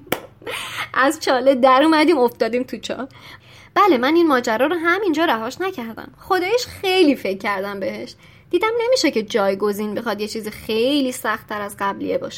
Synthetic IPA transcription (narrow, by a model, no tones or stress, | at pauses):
ʔæzt͡ʃʰɒːled̪æɾuːmæd̪iːmoft̪ɒːd̪iːmt̪ʰut͡ʃʰɒ̰ː | b̥ælemæninmɒːd͡ʒæɾɒːɾoɦæmind͡ʒɒːɾæɦɒːʃnæcʰæɾd̪æ̰mχo̞d̪ɒːjeʃxejliːfe̞cʰːæɾd̪æmbe̞he̞ʃ | d̪iːd̪æmne̞miːʃe̞ce̞d͡ʒɒːjɡo̞ziːnbe̞xɒd̪je̞t͡ʃʰiːzixejliːsæxt̪ʰːæɾæzɢæblḭebɒ̰ːʃe̥